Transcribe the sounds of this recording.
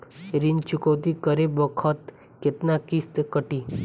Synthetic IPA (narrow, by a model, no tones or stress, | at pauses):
ɾint͡ʃʊkəʋt̪ikəɾebəkʰət̪ | ket̪nakist̪kəʈi